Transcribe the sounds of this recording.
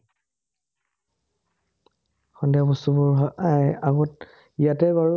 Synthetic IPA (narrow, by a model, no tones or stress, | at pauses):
xɔndjabɔstubɔɹɦɔʔajaɡɔt̚ | ijatɛbaɹu